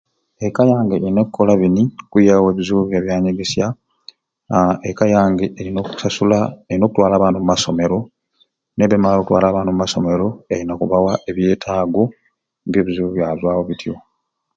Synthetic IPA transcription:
ekajaːŋɡeɾinakukolaβinikujawe̞ːβizuβjaβjaːɲeɡesja | ekajaːŋɡeeɾinoku̥sasulaeɾino̞ːkutwaːlaːβaːnumumaso̞me̞ɾo̞ | ne̞βemaːlokutwa̰ːlaːβaːnumumaso̞me̞ɾo̞einakuβawaʔe̞βje̞ːtʰaːɡo̞ | mbjo̞ːβizuβuβjazwaːwo̞βitʰio̞

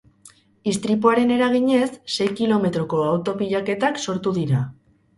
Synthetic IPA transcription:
ist̪ɾipuaɾe̞ne̞ɾaɣ̞iɲe̞sːe̞jkilo̞me̞t̪ɾo̞ko̞awt̪o̞piʎake̞t̪akso̞ɾt̪uðiɾa

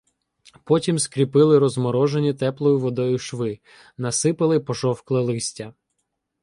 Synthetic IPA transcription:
pɔtʲimskɾʲipɪlˠɪɾɔzmɔɾɔʒenʲit̪ɛplˠɔjʊʋɔd̪ɔjʊʃʋɪ | nɐsɪpɪlˠɪpɔʒɔwklˠelˠɪsʲtʲɐ

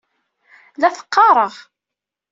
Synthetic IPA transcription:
læθə̥qːɑɾˤəʁ

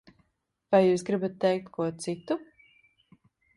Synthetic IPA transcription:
vajːuːs̬ɡɾibat̪ːɛjk̚t̪kʰuɔt̪sit̪u

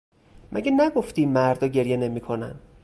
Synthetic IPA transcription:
mʔæ̰ɟʲenæɡo̞ft̪iːmæɾd̪ɒːɟe̞ɾje̞ne̞miːkʰonæ̰nd̪̥

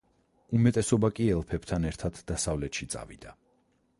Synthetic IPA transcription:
umɛt̪ʼɛsɔbakʼiɛlˠpʰɛb̥t̪ʰanɛɾt̪ʰad̪̥d̪asavlɛt̪ʃit̪sʼa̰vḭd̪̥a

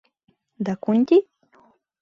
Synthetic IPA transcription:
d̪akʊnt̪ɪ

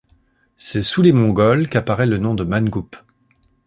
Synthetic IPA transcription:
sɛsulemɔ̃ɡɔlkapaʁɛlənɔ̃d̪əmanɡup

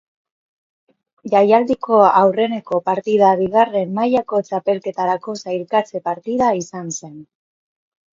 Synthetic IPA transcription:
ʝajald̪ikʰo̞awre̞ne̞ko̞paɾt̪iðaβiɣare̞mːajako̞t͡ʃape̞lke̞t̪aɾako̞sajɾkat͡se̞paɾt̪iðaisanse̞n

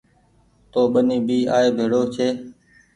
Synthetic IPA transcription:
t̪oːɓəniːbʱiːaːeːbʱeːɽoːt͡ʃʰeː

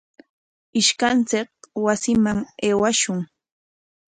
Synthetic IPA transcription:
ɪʃkant͡sɪk̚wasɪmaŋeːwaʃʊŋ

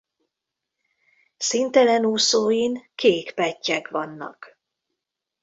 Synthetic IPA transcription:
sint̪ɛlɛnuːsoːjiŋkeːkpɛcːɛkʋɒnːɒ̰k

